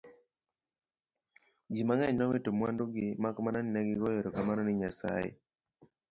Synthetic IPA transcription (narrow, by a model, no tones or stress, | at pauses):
d͡ʒimaŋɛɲnawetomwandoɡɪmakmananɪnaɡɪɡɔjɔɾɔkamanɔnɪɲasa̰ḛ